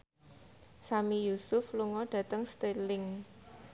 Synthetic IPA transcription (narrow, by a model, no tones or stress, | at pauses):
samijusʊfluŋɔɖ̥ä̤t̪əŋst̪elɪŋ